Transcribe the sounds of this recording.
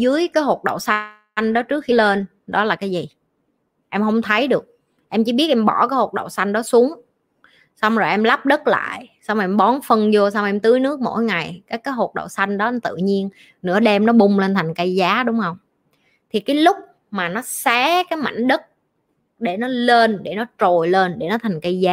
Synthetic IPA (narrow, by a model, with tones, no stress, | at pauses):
zɨ˨˦əjkaː˨˦jɦo˨˩t̚ɗə̰˧˨wsa˧ | jŋ̟ɗɔ˨˦t͡ɕɨ˦˥ək̚xi˧le˧n | ɗɔ˨˦laː˨˩kaː˨˦jzi˨˩ | ʔɛ˧mhə˧wŋ͡mt̪ʰə˨˦jɗɨ˨˩ək̚ | ʔɛ˧mt͡ɕɨ˧˩ɓi˦˥ət̚ʔɛ˧mɓɔ˧˩kaː˨˦jho˨˩t̚ɗə̰˧˨˩wsa˧jŋ̟ɗɔ˨˦su˨˦əŋ | sa˧wŋ͡mzo˨˩jʔɛ˧mla˦˥p̚ɗə˦˥t̚la̰ː˧˨jsa˧wŋ͡mʔɛ˧mɓɔ˨˦nfə˧nzo˧s̬a˧wʔɛ˧mt̪ɨ˨˦jnɨ˦˥ək̚mo̰˧˥jŋa˨˩jkaː˨˦jkaː˨˦jɦo˨˩t̚ɗə̰˧˨wsa˧jŋ̟ɗɔ˨˦ʔɛ˧mt̪ɨ̰˧˨ɲi˧ən | nɨ̰˧˥əɗɛ˧mnɔ˨˦ɓʊ˧ŋ͡mle˧nt̪ʰa˨˩jŋ̟kə˧jzaː˨˦ɗʊ˨˦ŋ͡mhə˧wŋ͡m | t̪ʰi˨˩kaː˨˦jlʊ˦˥k͡p̚ | maː˨˩nɔ˨˦saː˨˦kaː˨˦jma̰˧˩jŋ̟ɗə˦˥t̚ | ɗe˧˩nɔ˨˦le˧nɗe˧˩nɔ˨˦t͡ɕo˨˩jle˧nɗe˧˩nɔ˨˦t̪ʰa˨˩ŋ̟kə˧jzaː˨˦